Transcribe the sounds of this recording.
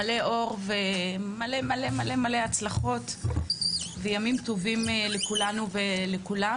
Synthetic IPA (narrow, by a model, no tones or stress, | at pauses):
ale̞ʔo̞ʁvemale̞male̞male̞male̞at͡slaχo̞t | vejamimtovimlekulanuvelekula